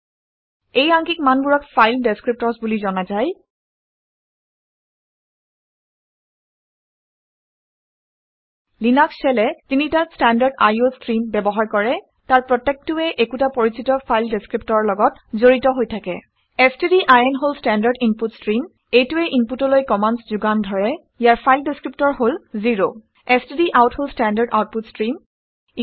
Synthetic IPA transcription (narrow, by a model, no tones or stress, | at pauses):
ejaŋkikmanbuɹɔkfʰajldeskɹip̚tɔɹsbulizɔnazaj | linakssɛlɛzinitastandaɹɖa̰jostɹinbɛbɔɦaɹkɔɹɛ | taɹpɹɔtːek̚tʊɛʔekutapoɹisitɔpʰajldeskɹip̚tɔɹɔɹlɔɡɔtzoɹitɔɦojtʰakɛ̰ | ɛstediʔajɛnɦolstandaɹɖinputstɹim | ejtuɛʔinputɔlojkɔmanszuɡandʱɔɹɛ | ijaɹpʰajldiskɹip̚tɔɹɦolziɹo | estediʔawtholstandaɹɖa̰wt̚putstɹim